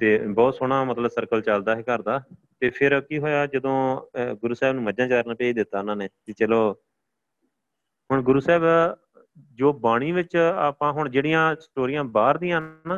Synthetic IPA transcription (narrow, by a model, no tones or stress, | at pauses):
t̪eːbɔːt̪soːɳ̃ãːmət̪ləbsəɾkəlt͡ʃald̪aːɦekəɾd̪aː | t̪eːpʰɪɾkiːɦoːjaːd͡ʒəd̪õːɡʊɾuːsɛːbnũːməd͡ʒãːt͡ʃaːɾnaːpɛːiːd̪ɪt̪ːaːɪnãːneːt̪iːt͡ʃəloː | ɦʊɳɡʊɾuːsɛːb | d͡ʒoːbaːɽ̃iːʋɪt͡ʃaːpãːɦʊɳd͡ʒeːɽijãːsʈoːɾijãːbaːɾd̪iːãːnãː